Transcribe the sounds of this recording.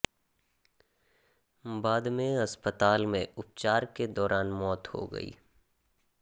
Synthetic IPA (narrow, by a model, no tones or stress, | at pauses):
baːd̪mẽɐspət̪aːlmẽʊp̚t͡ʃaːɾked̪ɔːɾaːnmɔːt̪ho̰ɡɐ̰ḭː